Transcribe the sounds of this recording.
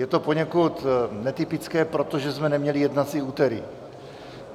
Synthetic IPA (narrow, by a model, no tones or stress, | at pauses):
jɛt̪o̞po̞ɲɛkut̪nɛt̪ɪpɪt͡skɛːpɾo̞t̪o̞ʒɛzmɛnɛmɲɛlijɛdnat͡siuːt̪ɛɾɪ̰